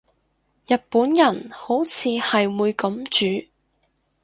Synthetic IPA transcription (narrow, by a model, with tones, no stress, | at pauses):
jɐ˨t̚puː˨˥njɐ˨˩nho˨˥wt͡sʰiː˨˧hɐ˨jwuː˨˧jkɐ˨˥mt͡ʃyː˨˥